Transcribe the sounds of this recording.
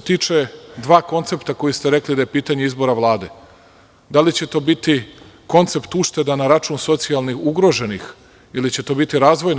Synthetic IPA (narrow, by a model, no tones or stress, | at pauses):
t̪iːt͡ʃe̞d̪ʋaːko̞nt̪se̞pt̪ako̞jist̪eɾe̞klid̪ajepiːt̪aɲe̞izbo̞ɾaʋlˠaːd̪e̞ | d̪alit͡ɕe̞t̪o̞ːbit̪i | ko̞nt̪se̞pt̪uʃt̪e̞d̪anːaɾat͡ʃuːnso̞t̪sialˠnixuɡɾo̞ʒe̞nix | ilit͡ɕe̞t̪o̞ːbit̪iɾaːzʋo̞j